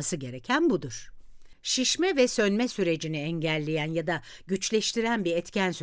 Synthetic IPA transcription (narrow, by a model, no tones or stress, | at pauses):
sɯɟe̞ɾecʰænbud̪uɾ̥ | ʃiʃmɛvɛsø̞nmɛsyɾe̞d͡ʒiniɛɲɟælʲːe̞jænjad̪a | ɟyt͡ʃlʲɛʃt̪ʰiɾænbiɛt̪cʰænsy